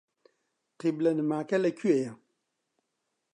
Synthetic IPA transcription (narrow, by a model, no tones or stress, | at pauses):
qiblɐnɨmaːkɐlɐkʰyejɐ